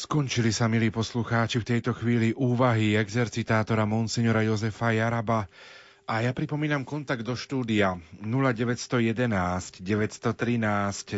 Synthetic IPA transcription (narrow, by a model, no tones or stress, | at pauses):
skɔnt͡ʃilisamiliːpɔsluxaːt͡ʃift̪ɛjt̪ɔxʋiːliʔuːʋaɦiɛɡzɛɾt͡sit̪aːt̪ɔɾamɔnsɛɲɔɾajɔzɛfajaɾaba | ʔajapɾipɔmiːnamkɔnt̪aɡ̚d̪ɔʃt̪uːd̪ianulaɟɛʋɛcst̪ɔjɛd̪ɛnaːscɟɛʋɛcst̪ɔt̪ɾinaːsc